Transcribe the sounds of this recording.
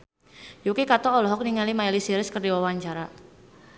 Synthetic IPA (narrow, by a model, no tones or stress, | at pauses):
jukikat̪ɔːlɔɦɔk̚niŋalimailisiɾɪskərdiwawaɲt͡ʃaɾa